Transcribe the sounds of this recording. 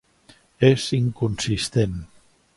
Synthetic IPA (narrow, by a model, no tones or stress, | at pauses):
eziŋkunsist̪en